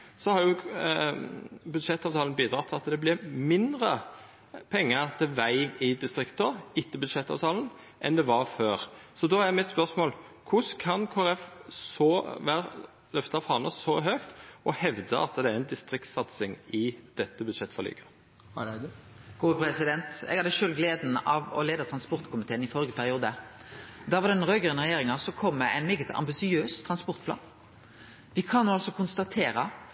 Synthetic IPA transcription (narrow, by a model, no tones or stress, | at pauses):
sɔhɑɾjʊ | bʉd̪ʂɛt̪ːɑʋt̪ʰɑːln̩biːd̪ɾɑt̪ʰːɪlɑt̪d̪ɛblɪɾmɪnd̪ɾə | pʰɛŋːət̪ʰɪlʋæɪɪd̪ɪst̪ɾɪkt̪əɪt̪ːəbʉd̪ʂɛt̪ːɑ̰ʋt̪ʰɑːlən | ʔɛ̰nd̪ɛʋɑɾføːɾsɔd̪ɔːæmɪt̪spœsmoːl | kʰʊskʰɑnkʰoːæɾɛfsɔʋæɾ | lœft̪ɑfɑnəsɔɦøkt̪ɔhɛʋd̪əɑ̰t̪d̪ɛæɾɛɪnd̪ɪst̪ɾɪkt̪sɑt̪sɪŋɪd̪̥ɛt̪ːəbʉd̪ʂɛt̪ːfɔɾly̰ːɡɑ | ɡ̥uːəpɾɛsɪd̪ɛnt̪ɛ̰ɡhɑɾd̪ɛʃøːlɡleːd̪n̩ɑʋɔ̰leːd̪ɑt̪ʰɾɑnspɔʁt̪kʰʊmɪt̪ʰeːənɪfɔɾɡəpʰæʁɪuːd̪ə | d̪æʋɑd̪ɛnʁøːɡəʁənʁɛjeːʁɪŋɑsɔkʰɔmːəæ̰ɪnmɛːɡət̪ʰɑ̰mbɪsɪøːst̪ʰʁɑnspɔʁt̪̚pʰlɑ̰ːn | ʋɪkʰɑnːuːɑlsɔkʰʊnst̪ɑt̪ʰeːɾə